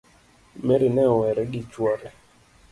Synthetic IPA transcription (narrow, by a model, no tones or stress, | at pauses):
meɾinɛɔwɛɾɛɡɪt͡ʃwɔɾɛ